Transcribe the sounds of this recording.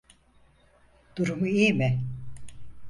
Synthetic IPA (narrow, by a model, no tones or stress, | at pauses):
d̪̥uɾumuiːmɪ